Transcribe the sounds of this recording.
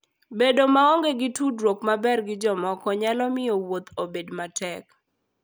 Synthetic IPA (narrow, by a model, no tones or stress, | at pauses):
bedomaoŋɡeɡɪtudwokmabɛrɡɪd͡ʒɔmɔkɔɲalɔmɪowot̪ʰobedmatʰɛk